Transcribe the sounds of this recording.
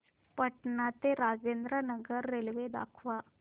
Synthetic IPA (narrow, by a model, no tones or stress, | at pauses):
pɐʈnaːt̪eɾaːd͡ʒeːnd̪ɾanɐɡɐɾːeliʋeːd̪a̰ːkʰʋa